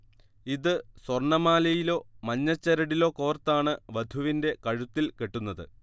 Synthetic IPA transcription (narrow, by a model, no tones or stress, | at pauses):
iðɨswɐrɳɐmaːlɐjilo̞ːmɐɲːɐt͡ɕːɐɾɐɽilo̞ːko̞ːrt̪ːaːɳɨʋɐd̪ʱuʋinde̞kɐɻut̪ːilkeʈːunːɐðɨ̰